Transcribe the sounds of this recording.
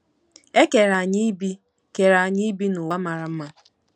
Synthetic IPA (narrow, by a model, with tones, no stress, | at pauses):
e˦ke˨ɾa˨ɲi˦i˦bi˦ | ke˨ɾa˨ɲɪ˦bi˦nʊ˨a˦ma˨ɾa˨m̩˦ma˦